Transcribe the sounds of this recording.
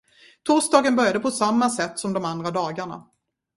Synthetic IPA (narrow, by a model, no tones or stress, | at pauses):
t̪ʰusd̪ɑːɡənbœɾjad̪əpʰɔsamːasɛt̪ːsɔmd̪ɔmand̪ɾad̪ɑːɡaɳa̰